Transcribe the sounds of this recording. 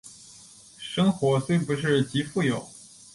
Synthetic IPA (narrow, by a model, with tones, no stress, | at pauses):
ʂɤ˥ŋxwɔ˧˥swe˥˩ɪpu˧˥ʂ̬ɻ̩˥˩t͡ɕi˧˥fu˥˩jo˨˩˦ʊ